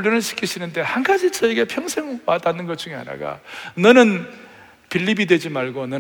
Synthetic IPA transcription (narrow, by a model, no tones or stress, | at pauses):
ɭːjʌnɯɭɕʰi̥kʰiɕʰinɯnde̞hanɡad͡ʑit͡ɕʌeɡe̞pʰjʌŋsʰeŋwatanːɯnɡʌt͡ɕ͈uŋea̰na̰ɡa̰nʌnɯn | piʎːibidwe̞d͡ʑimaɭɡonʌ